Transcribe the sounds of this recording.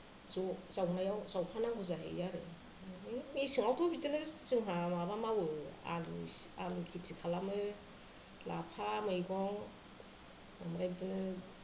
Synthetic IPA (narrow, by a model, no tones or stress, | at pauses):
zɔzawnajawzawpʰanaŋɦɯzaɦḛjjaɾɯ̰ | misiŋawtʰubitɯnɯzɯŋɦamabamawɯa̰lalmkʰitʰikʰalamɯ | lapʰamɯjɡɔŋ | amaɾajbitɯnɯ